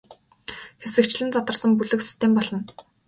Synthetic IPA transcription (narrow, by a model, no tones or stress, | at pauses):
xesɘ̆kt͡ɕɮɘ̆nt͡sat̪ə̆rsə̆mpuɮɘ̆ksi̥st̪ʰempɔɮɞ̆n